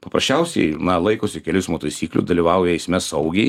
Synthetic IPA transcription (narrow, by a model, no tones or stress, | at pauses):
pɐpɾɐsʲt͡ʃʲɛʊsʲɛ̰ɪnɐlˠɐɪkoːsʲɪkʲɛlʲʊsmuːt̪ɐɪsʲiːklʲʊ̰sd̪ɐlʲiʋɑʊjɛɛɪsʲmʲɛsɐʊɡʲɛɪ